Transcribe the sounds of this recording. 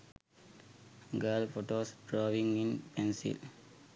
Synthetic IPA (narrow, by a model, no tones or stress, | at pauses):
ɡaːlfoʈoːsɖɾaːʋĩŋɡĩnpɛ̃nsḭl